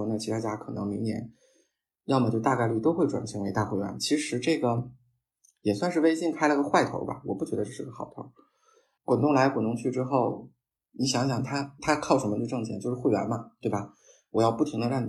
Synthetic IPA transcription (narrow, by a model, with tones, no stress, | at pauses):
na˥˩t͡ɕʰi˧˥t̪ʰa˥˩t͡ɕja˥kʰɤ˨˩nɤ˧˥ŋmi˧˥njɛ̰˧˥n | jɑ˥˩ʊmə˨t͡ɕjo˥˧˩t̪a˥˧ka˥˧ɪly˥˩t̪o˥ʊxwe˥˩ɪʈ͡ʂwa̰˨˩nt͡ɕʰi˧˥ŋwe˧˥ɪt̪a˥˧xwe˥˩ɪɥ̰nt͡ɕʰi˧˥ʂɻ̩˧˥ʈ͡ʂɤ˥˩ɡə˩ | jɛ˨˩swa˥˧nʂɻ̩˥˧e˥ɪɕi˥˩ŋkʰa˥ɪlə˧ɡə˧xwa˥˩ɪt̪ʰo̰˧˥ʊbɐ̰˧wɔ˨˩pu˥˩t͡ɕɥɛ˧˥d̪ə˧ʂʂɻ̩˥˩ə˩xɑ˨˩ʊt̪ʰo̰˧˥ʊ | kwa˨˩nt̪ʊ˥˩ŋla˧˥ɪxwə˨˩nʊ˧˥ŋt͡ɕʰy˥˩ʈ͡ʂɻ̩˥xo˥˩ʊ | ni˧˥ɕjɑ˧˥ŋɕ̬jɑ˨˩ŋt̪ʰa˥t̪ʰa˥kʰɑ˥˩ʊʂə˧˥nmə˧ə˧ʈ͡ʂɤ˥˩ŋt͡ɕʰjɛ˧˥ŋt͡ɕjo˥˧ʊʂɻ̩˥xwe˥˩ɪɥa̰˧˥nmɐ˧t̪we˥˩bɐ˩ | wɔ˨˩jɑ˥˧ʊpu˥˩t̪ʰi˧˥ŋd̪ə˧ɻɑ˥˩ŋ